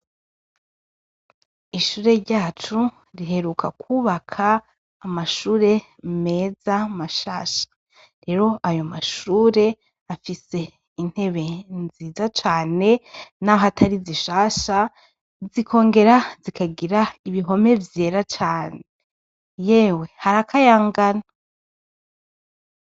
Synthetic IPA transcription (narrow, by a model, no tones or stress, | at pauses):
iʃuːɾe̞ɾɟaːt͡ʃu | ɾiɦe̞ɾukʰakʰuːβakʰaː | maʃuːɾe̞ | me̞ːzamaʃaːʃḁ | ɾe̞ɾo̞ʔajo̞maʃuːɾe̞ | afise̞ | in̥he̞βe̞nziːzat͡ʃaːne̞naɦatʰaɾiziʃaːʃa | zikʰo̞ːŋɡe̞ɾazikaɡiɾaiβiɦo̞me̞vje̞ːɾat͡ʃaːne | je̞ːwe̞haɾakʰajaːŋɡana